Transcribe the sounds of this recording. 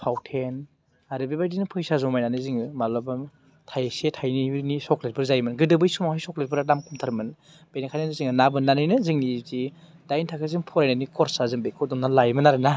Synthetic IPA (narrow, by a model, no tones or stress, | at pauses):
pʰawtʰen | aɾɯbibajdinɯpʰɯjsazɔmajnanɯziŋɯmalɔbɯm | tʰajsetʰajnibɯnisɔklet̚bʰɯɾzajmɯnɡɯdɯbɯjsumɔhajsɔklet̚pɯɾadamkʰumtʰaɾmɯn | b̥enakʰajnanɯziŋɯnabɯnːanɯjnɯzɯŋnizi | d̥ajntʰakʰɯzɯŋpʰɔɾajnanikʰɔɾsazɯŋbekʰɔdɔmnalajmɯnaɾɯna